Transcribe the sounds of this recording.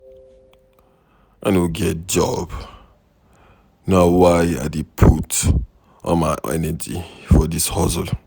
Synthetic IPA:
ʔanuɡɛt̚d͡ʒɔ̰b̥ | naʊwaja̰depʰut | ʔɔ̰̃nmaɪʔɛ̰nəd͡ʒḭfɔdishɔzəl

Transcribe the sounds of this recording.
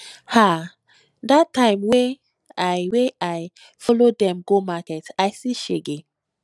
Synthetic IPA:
ha | datːãɪ̃mwe | aweaɪ | fɔlodɛ̃mɡomakɛtajsiʃeɡe

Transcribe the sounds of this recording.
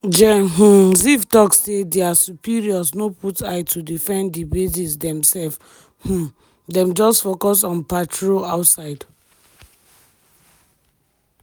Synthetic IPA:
d͡ʒɛɦ̩zivtɔksːedeasupiɹiɔsnoputʰajtʰudifɛ̃ndibizisdɛ̃msɛlf | h̩ | dɛ̃md͡ʒɔstfokɔs̬ɔ̃npatɹoaʊtsaɪd

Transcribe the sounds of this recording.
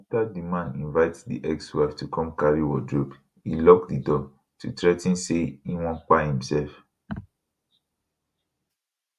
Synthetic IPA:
tadimãnĩnvaɪtdḭʔɛkshwuaftukɔ̃mkaɹiwɔdɹob | ilɔkdidɔ | tʰutɹɛtĩnseiwɔ̃nk͡pahĩmsɛlf

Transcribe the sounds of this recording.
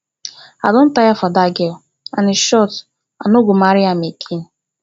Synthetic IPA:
a̰don̩tajafadaɡɛ | a̰nɪʃɔt | a̰noɡomaɾɪamekʰin̩

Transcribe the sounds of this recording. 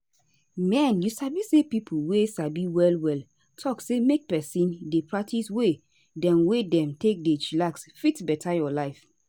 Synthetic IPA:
mɛ̃njusabisepipʰuwesabiwɛlwɛl | tʰɔksemek̚pɛsĩndepʰɹak̚tʰiswe | dɛ̃mwedɛ̃mtek̚dɛt͡ʃilaksfitbɛtʰajɔlaɪf

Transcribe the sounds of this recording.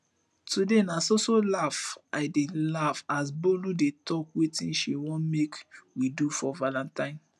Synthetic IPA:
tudenasosolafaɪdelafas̬boludetɔkwetĩnʃiwɔ̃nmekwidufɔvalãntãɪ̃n

